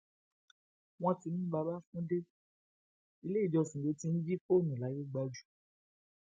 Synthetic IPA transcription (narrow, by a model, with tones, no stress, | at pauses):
w̃ɔ̃˦ti˧nĩ˦ba˧ba˦fũ˦de˦ | i˧le˦i˦˨d͡ʒɔ˧sĩ˨de˨˧tĩ˧n̩˦d͡ʒi˦fo˦˨nũ˨la˨˦ji˦ɡ͡ba˧d͡ʒu˨